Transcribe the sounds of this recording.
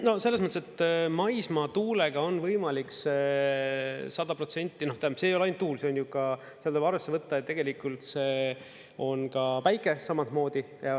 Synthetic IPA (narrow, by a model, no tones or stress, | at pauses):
no̞se̞lːesmɤt̪ːeset̪ːmɑjsmɑt̪uːle̞ɡ̥ɑo̞nvɤjmɑlikse | sɑd̪̥ɑpro̞t̪se̞nʲt̪ːˑino̞ht̪æsejo̞lɑjnt̪ːuːlseonjukɑ | sieɑld̪obɑɾvesːevɤt̪ːɑt̪ːe̞ɡ̥e̞likult̪se̞ | o̞nkɑpæjkːˑe̞sɑmɑt̪mo̞ːd̪̥i | jɑ